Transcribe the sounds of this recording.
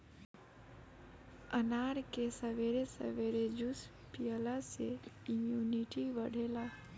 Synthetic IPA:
ənaɾkesəʋeɾesə̰ʋeɾed͡ʒus | pijəlaseimjuniʈiʋəɽ̤ʱela

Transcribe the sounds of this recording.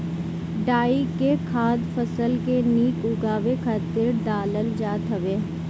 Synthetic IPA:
ɖaːikekʰaːd̪pʰəsəlkeniːkʊɡaːʋekʰaːt̪ɪɾɖaːləld͡ʒaːt̪ɐʋeː

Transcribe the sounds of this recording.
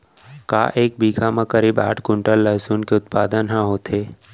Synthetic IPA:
ka̰ːʔeːk̚biːɡʱamãkəɾiːba̰ːʈʰkʊ̃ɳʈəlːəɦsuːnkeʊt̪̚paːd̪ənɦãɦoːt̪ʰeː

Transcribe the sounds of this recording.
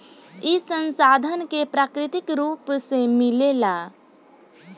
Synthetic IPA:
ɪsə̃nsaːd̪ʱənkepɾaːkɾɪt̪ɪkɾuːpsemɪleːlaː

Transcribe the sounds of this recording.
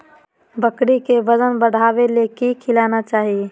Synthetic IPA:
bəkɽikeʋəd͡ʒənbəɽ̤ʱaːʋelekikʰɪlaːnat͡ʃaːɦie

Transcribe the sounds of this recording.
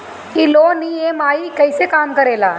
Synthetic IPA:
iloːnieːmaːjikɐjseːkaːmkɐɾeːla̰ː

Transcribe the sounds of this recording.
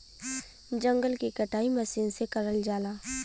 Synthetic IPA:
d͡ʒə̃ŋɡəlkikəʈʰaːiməsiːnsekəɾəld͡ʒaːlaː

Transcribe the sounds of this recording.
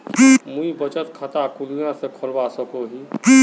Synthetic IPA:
mũibət͡ʃət̪kʰət̪akʊlijãsekʰʊlbasəkoɦi

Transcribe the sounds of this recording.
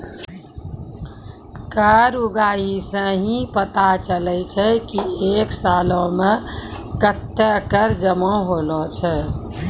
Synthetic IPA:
kaɾuɡaɦisə̃ɦĩpət̪at͡ʃəlɛt͡ʃʰɛkieksalɔ̃mẽkət̪ːəkəɾd͡ʒəmɔ̃ɦolɔt͡ʃʰɛ

